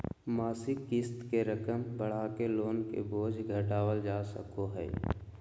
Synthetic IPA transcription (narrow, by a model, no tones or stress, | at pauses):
maːsɪkːɪst̪keɾəkəmbəɽ̤akeloːnkḛboːd͡ʒʱɡʱəʈaːwəld͡ʒaːsə̰koɦɛ̰ː